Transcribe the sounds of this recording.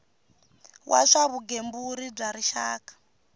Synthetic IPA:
wʔa̰ʂaβuɡembuɾib͡ʐaɾiʃa̰ːkḁ

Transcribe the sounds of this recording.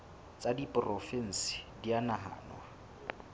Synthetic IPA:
t͡sʼadipʼrɔfɛn̩si̥dianaɦa̰ːnwa

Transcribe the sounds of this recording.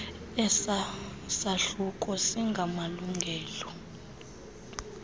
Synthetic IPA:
ɛs | saɬuk̬ʼɔsiŋɡʱamaluŋɡʱɛːlɔ

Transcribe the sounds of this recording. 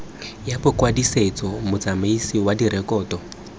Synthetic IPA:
japʊkwadiset͡sɔmʊt͡sʼamaisiwadiɾɛkʼɔːtɔ

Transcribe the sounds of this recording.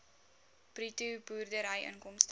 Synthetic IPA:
pritubuːrdəɾɐjʔə̰nkɔmst

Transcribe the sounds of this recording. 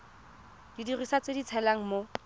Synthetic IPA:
d̥idirisat͡sedit͡sʰɛlaŋ̩mo

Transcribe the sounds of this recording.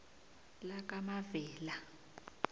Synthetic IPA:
lak̬ʼamavɛːla

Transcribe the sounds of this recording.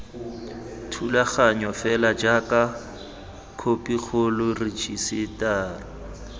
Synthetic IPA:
tʰulaχaɲɔfɛlad͡ʒaka | kʰopʼik͡xʰʊlʊrit͡ʃʼisɪtaːrɔ

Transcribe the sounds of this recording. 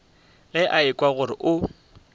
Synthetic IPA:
lɪʔaɪkʼwaɣʊɾɪʔʊ

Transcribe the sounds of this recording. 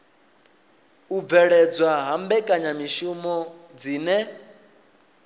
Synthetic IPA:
uvɛɺɛd͡zwaɦambɛkʼaɲamiʃumɔ | d͡ziːnɛ

